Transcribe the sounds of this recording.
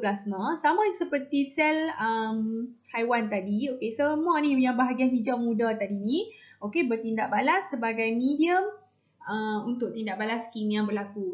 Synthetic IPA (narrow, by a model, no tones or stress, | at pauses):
blasmãsamãsəpərt̪isɛləmhajwant̪adiokesəmuanijaŋbaɦaɡianɦid͡ʒamũdat̪adinĩokebərt̪indaʔbalasːəbaɡajmĩdiəm | əunt̪ʊʔ̚t̪indaʔbalaskimjaŋbərlaku